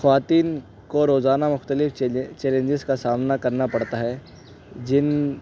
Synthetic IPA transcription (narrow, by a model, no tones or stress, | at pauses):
xɐʋaːt̪iːn | koɾoːzaːnamʊxt̪əlɪft͡ʃɛːlẽɲd͡ʒɪzkasaːmnakɐɾnapɐɽt̪aɦɛ | d͡ʒɪn